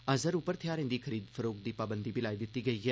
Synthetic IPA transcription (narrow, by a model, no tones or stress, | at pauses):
əzəɾupːəɾt̪ʰɪjaːɾẽnd̪iːkʰəɾiːd̪fʰəɾoːk̚d̪iːpaːbənd̪iːbɪlaːiːd̪ɪt̪ːiːɡəiːɦɛː